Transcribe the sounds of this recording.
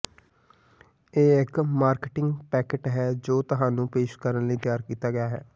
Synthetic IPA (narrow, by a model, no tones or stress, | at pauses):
eːɪkmaːɾkɪʈɪ̃ŋɡpɛːkɪʈɦɛːd͡ʒoːt̪ʊɦãːnũːpeːʃkəɾənləiːt̪ɪjaːɾkiːt̪aːɡɪjaːɦɛ̰ː